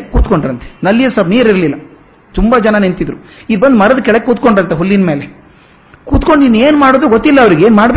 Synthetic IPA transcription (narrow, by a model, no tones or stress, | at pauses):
kuːt̪koɳɖɾɐnt̪e̥nɐlːijɐsɐbniːɾiɾlilːɐ | t̪umbɐd͡ʒɐnɐnent̪id̪ɾuid̪bɐnd̪mɐɾɐd̪ɐkɛɭɐkːekuːt̪̚ko̞ɳɖɾɐnt̪eɦulːinme̞ːle | kuːt̪ko̞ɳɖinːueːnmaːɽoːd̪uɡot̪ːilːɐːʋɐɾiɡeːnmaːɽbe